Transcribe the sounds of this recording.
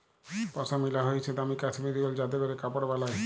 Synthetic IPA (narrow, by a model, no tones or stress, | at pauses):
pɔsʰamilaɦojt͡ɕʰed̪amikat͡ʃʰmid̪ibald͡ʑad̪ebeɾekapaɽbalaj